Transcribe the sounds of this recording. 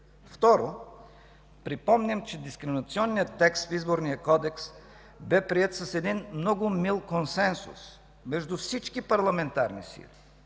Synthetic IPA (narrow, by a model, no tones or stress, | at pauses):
ft̪ɔɾo | pɾipɔmnʲɛmt͡ʃɛd̪iskɾɛminɐt̪siɔnːijət̪ːɛkst̪fizboɾnijəkɔd̪ɛks | bɛpɾiɛt̪sɐsɛd̪inmnɔɡʊmilˠkonsɛnsṵs | mɛʒd̪ufsit͡ʃkipɐɾlˠɐmɛnt̪aɾnisḭlʲi̥